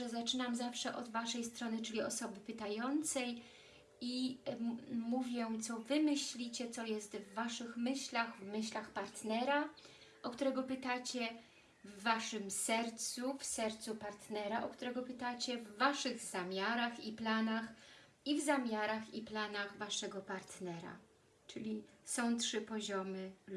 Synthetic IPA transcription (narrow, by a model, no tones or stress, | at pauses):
ɛzat͡ʂɘnamzafʂɛʔɔd̪vaʂɛjst̪ɾɔnɘt͡ʂɘlʲiɔsɔbɘpɘt̪ajɔnt̪sɛj | i | muvʲjɛt̪sɔvɘmɘɕlʲit͡ɕɛt̪sɔjɛst̪vːaʂɘxmɘɕlʲaɣvmɘɕlaxpaɾt̪nɛɾa | ʔɔkt̪uɾɛɡɔpɘt̪at͡ɕɛ | vːaʂɘmsɛɾt̪sufsɛɾt̪supaɾt̪nɛɾaʔɔkt̪uɾɛɡɔpɘt̪at͡ɕɛvːaʂɘɣz̥amʲjaɾaxiplanax | ivzamʲjaɾaxiplanaɣvaʂɛɡɔpaɾt̪nɛɾa̰ | t͡ʂɘlʲisɔ̃w̃tʂɘpɔʑɔmɘ